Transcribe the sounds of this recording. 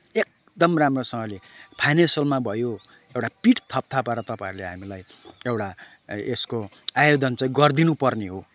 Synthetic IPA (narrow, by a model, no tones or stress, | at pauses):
ek̚ | d̪ʌmramrosʌŋɡʌlepʰajnesʌlmabʱʌjo | ewʈapiʈt̪ʰʌp̚t̪ʰapaɾʌt̪ʌpãiɾleɦamilajewʈa | esko | ajod̪ʌnt͡sãĩɡʌrd̪inupʌrneɦo